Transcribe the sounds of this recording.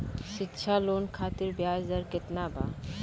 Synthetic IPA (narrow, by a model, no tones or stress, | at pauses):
ʃɪtːʃʰaloːnkʰaːt̪iɾbjaːzd̪əɾkɪt̪nabʱa̰ː